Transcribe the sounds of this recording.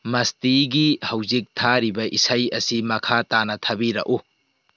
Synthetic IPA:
mɐstiɡihɐwzik̚tʰaɾibɐʔisajɐsimɐkʰatanɐt̪ʰɐbiɾɐ̰ʔu

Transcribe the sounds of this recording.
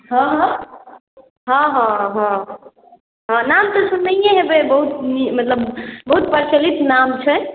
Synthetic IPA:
ɦɦɔ̃ | ɦɔ̃ɦɔ̃ɦɔ̃ | ɦɔ̃namt̪ɔsunːəjẽɦebebəɦut̪nimət̪ləbbəɦut̪̚pəɾt͡ʃəlit̪namt͡ʃʰɛ

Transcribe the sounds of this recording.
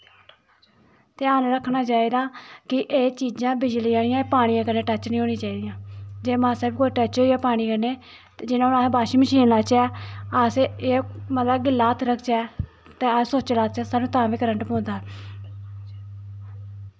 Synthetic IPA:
t̪eːaːnɾəkʰːnaːt͡ʃaːeːd̪aːkɪʔeːt͡ʃiːd͡ʒãːbɪd͡ʒliaːnijãːpaːɽ̃ĩjãːkəɾnẽːʈət͡ʃːnĩːɦoːnĩːt͡ʃaːiːd̪ijãːd͡ʒeːmãːsəːbkoːʈət͡ʃoːijaːpaːɽ̃iːkəɾneː | t̪ed͡ʒɪnãːʊnaːsbaːʃiːməʃiːnlaːt͡ʃɛːaːseemət̪ləbɡɪlːaːt̪ʰɾəkʰt͡ʃɛː | t̪eːaːsoːt͡ʃlaːt͡ʃɛːsaːnũːt̪ãːbiːkəɾəɳʈpõːnd̪aːɛː

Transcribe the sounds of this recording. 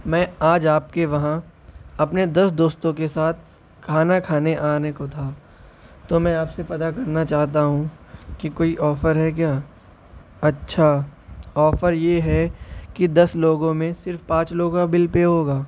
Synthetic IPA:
mɛ̃ːaːd͡ʒaːpkeʋɐɦã | ɐpned̪ɐsd̪oːst̪õkesaːt̪̚ʰ | kʰaːnakʰaːneʔaːnekot̪ʰaː | t̪omɛ̃aːpsepɐt̪akɐɾnat͡ʃaːɦt̪aɦũ | kikoːiʔɔːfəɾɦɛk̬jaː | ɐtːʃʰaɔːfəɾjeɦɛkid̪ɐsloːɡõmẽsɪɾfpãːt͡ʃloːɡkabɪlpeɦoːɡaː

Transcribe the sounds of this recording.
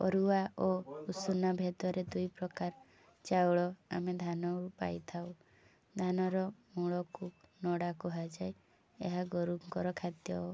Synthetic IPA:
ɔ̰ɾuaʔousunabʱed̪ɔɾed̪ujpɾɔkaɾ | t͡ʃawɭɔa̰med̪ʱanɔupa̰jt̪ʰaw | d̪ʱanɔɾɔmuɭɔkunɔɽakɔɦad͡ʒaj | ḛɦaɡɔɾuŋkɔɾɔkʰat̪jɔ

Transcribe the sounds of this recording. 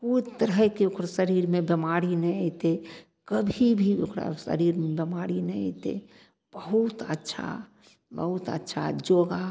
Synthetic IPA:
puɾt̪əɾɦəkeokʰɾsəɾiːɾmẽbemaːɾinə̃t̪e | kəbʱibʱio̰kʰɾa̰sə̰ɾiːɾmẽbemaːɾinə̃ə̰t̪ḛ | b̥əɦut̪ətːʃʰa̰ | bəɦut̪ə̰tːʃʰa̰d͡ʒoːɡa

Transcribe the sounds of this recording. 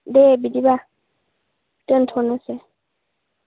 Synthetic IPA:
dɛbidiba | ten̩tʰɔnɛsɛ

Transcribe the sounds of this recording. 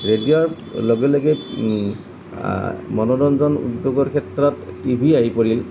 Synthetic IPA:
ɹediɔɹ | lɔɡɛlɔɡɛ | mɔnɔdɔnzɔnṵdːoɡɔɹkʰɛtɹɔtːibʱiaɦipoɹil

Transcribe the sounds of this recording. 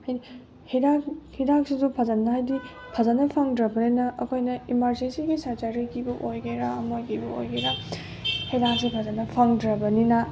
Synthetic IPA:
hajdi | hiɾakhidak̚sidupʰɐzɐnːɐhajdi | pʰɐzɐnːɐpʰaŋdɾɐbɐninɐʔːkʰojnɐimɐɾd͡ʒensiɡisaɾt͡ʃaɾikʰibɐʔojɡeɾaɐmojkʰibɐo̰jɡeɾa | hidak̚sipʰɐzɐnːɐpʰaŋdɾɐbɐninɐ

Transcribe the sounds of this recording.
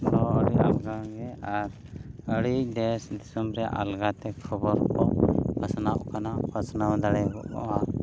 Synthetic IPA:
nɔəɽiʔalɡaɡɛaɾ | əɽiʔdɛsd̪isumɾɛʔa̰lɡat̪ɛkʰəbɔɾkɔpasnaʔkanapʰasnawd̪aɽɛjɡɔ̰ʔkɔ̰wa

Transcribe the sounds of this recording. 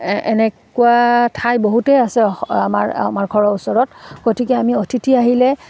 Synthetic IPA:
ɛ̰nɛkuwatʰajboɦutɛasɛamaɹa̰maɹɡʱɔɹɔusɔɹɔtɡ̥otikɛamiotʰitiaɦilɛ

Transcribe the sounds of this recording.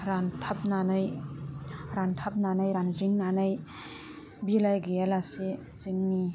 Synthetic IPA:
ɾantʰap̚nanɯj | ɾantʰap̚nanajɾanzɾiŋnanaj | bilajɡejalase | ziŋni

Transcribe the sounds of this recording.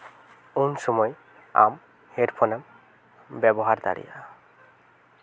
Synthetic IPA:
onʃɔmɔj | a̰m | heɾpʰonam | bɛbɔɦaɾd̪a̰ɹḭja̰

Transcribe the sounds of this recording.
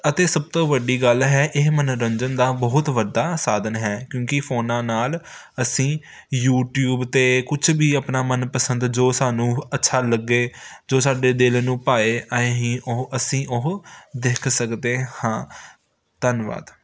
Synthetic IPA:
ət̪eːsəb̚t̪õːʋəɖːiːɡəlɦɛːʔɪɦmənɾəɲd͡ʒənd̪aːbəɦʊt̪ʋəɖaːsaːd̪ənɦɛːkjõːkɪfʰoːnãːnaːl | əsĩː | juːʈjuːbt̪eːkʊt͡ʃʰbiːəpnaːmənpəsə̃nd̪d͡ʒoːsaːnũːətːʃʰaːləɡːeːd͡ʒoːsaːɖeːd̪ɪlnũːpaːeːʔaːẽɦĩːʔʊəsĩːʔʊɦd̪eːkʰsəkd̪eːhãː | t̪ənʋa̰ːd̪

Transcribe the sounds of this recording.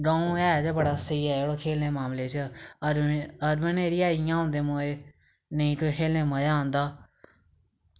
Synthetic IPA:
ɖõːɛːd͡ʒ̪bəɽaːsəiːɛːeːɽoːkʰeːlneːmaːmleːt͡ʃə | əɾbəneːɾiːaːɪjãːɦõːnd̪eːmoːeː | nəĩːʈʊkʰeːlnẽːməjaːnd̪aː

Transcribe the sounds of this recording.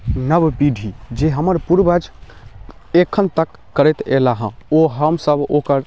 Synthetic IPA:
nəbbiɖʱid͡ʒeɦəməɾpuɾbəd͡ʒ | ekʰːənt̪əkːəɾɛt̪elaɦə̃oɦəmsəbokəɾ

